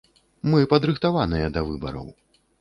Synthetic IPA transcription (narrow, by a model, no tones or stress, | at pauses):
mɨpɐd̪ɾɨxt̪avanɨjɐd̪ɐvɨbɐ̰ɾɐ̰w